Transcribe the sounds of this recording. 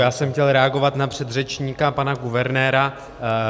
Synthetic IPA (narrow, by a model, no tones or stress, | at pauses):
jaːsɛmxcɛlɾɛaɡo̞vat̪napr̝̥ɛd̪rɛt͡ʃɲiːkapanaɡuvɛɾnɛːɾa